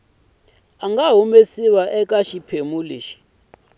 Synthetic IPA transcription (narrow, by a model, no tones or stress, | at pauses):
aŋɡaɦumesiwaʔɛkʼaʃipʰemulḭːʃi̥